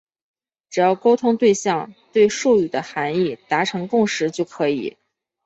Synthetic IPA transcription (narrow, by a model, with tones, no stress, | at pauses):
ʈ͡ʂɻ̩˨˩jɑ˥˩ʊko˥ʊt̪ʰʊ˥ŋt̪we˥˧ɪɕjɑ˥˩ŋt̪we˥˧ɪʂu˥˩y˨˩d̪ə˦xa˧˥ni˥˩t̪a˧˥ʈ͡ʂʰɤ˧˥ŋkʊ˥˩ŋʂɻ̩˧˥t͡ɕjo˥˩ʊkʰɤ˧˥ḭ˨˩˦